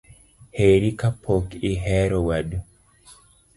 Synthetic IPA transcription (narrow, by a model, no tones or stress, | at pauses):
heɾikapʰokiɦɛɾɔwaɗu